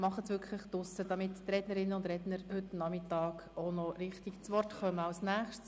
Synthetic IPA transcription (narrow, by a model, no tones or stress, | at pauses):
mɑχəsʋʏɾkχlɪχd̥ʊsəd̥ɑmɪttrɛdnəɾɪnːənʊnd̪ɾɛdnəɾhʏtnɑmɪtɑːkoʊnɔɾɪχtikt͡sʋɔrtχœməɑwsnæːχʃts